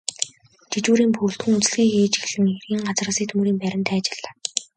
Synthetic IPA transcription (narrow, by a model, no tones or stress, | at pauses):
t͡ɕit͡ɕuːɾiːmpʰɵːɬt̪xɘ̆ŋut͡sɮɣiːxiːt͡ɕxeɮɘ̆ŋerɣiːŋɢat͡srə̆siːkt̪ʰmuɾiːmpæɾʲɪ̆nt̪ʰæːt͡ɕɪ̆ɮḁː